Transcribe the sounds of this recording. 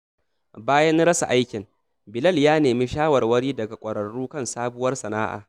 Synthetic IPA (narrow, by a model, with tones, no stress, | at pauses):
baː˦jɐ˦nɽɐ˦sa̰˨ʔa˦jkʲɪ˨ŋ | bɪ˨lɐ˦˨ljaː˦neː˨mi˦ʃaː˦wɐ˨rwɐ˦ɽiː˦dɐ˨ɡa˨kʷʼɐ˨ɾɐ˨ɽːuː˦kɐ˦nsaː˦bʊ˦wɐ˦rsɐ˨naː˦ʔa̰ː˨